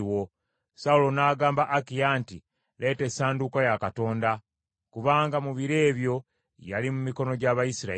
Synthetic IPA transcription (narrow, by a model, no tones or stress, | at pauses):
wo̞ | saulo̞naːɡaːmbaʔakijaːnti | lʔe̞ːte̞saːndukajakato̞ːnda | kuβaːŋɡamuβiɾe̞ːβjo̞ | ja̰limumiko̞no̞ɟaβajisiɾa̰